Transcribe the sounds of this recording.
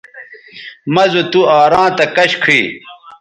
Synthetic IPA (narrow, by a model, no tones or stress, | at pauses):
mɐzot̪uaːɾãːt̪ɐkɐɕkʰiː